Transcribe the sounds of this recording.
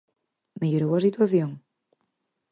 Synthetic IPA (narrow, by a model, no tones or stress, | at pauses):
meʎoɾowasit̪waθjoŋ